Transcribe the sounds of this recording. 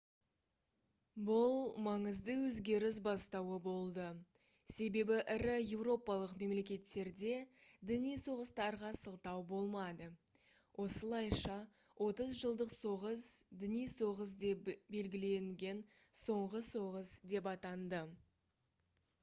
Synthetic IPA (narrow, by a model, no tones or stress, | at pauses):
bʊlˠmɑɴəzd̪əwɵzɡʲe̞ɾɪs̬bɑst̪ɑwəbo̞lˠd̪ə | se̞be̞bɪʔɪɾɪje̞wro̞pɑlˠəqme̞mle̞kʲe̞t̪ːe̞ɾd̪e̞d̪ɪnijso̞ʁəst̪ɑɾʁɑsəlˠt̪ɑwbo̞lˠmɑd̪ə | wʔo̞səlˠɑjʃɑ | wʔo̞t̪əzʒəlˠd̪əqso̞ʁəsd̪ɪnijso̞ʁəs̬d̪e̞pbe̞lɡʲɪle̞ŋɡʲe̞n | so̞ɴʁəso̞ʁəsd̪e̞p̬ɑt̪ɑnd̪ə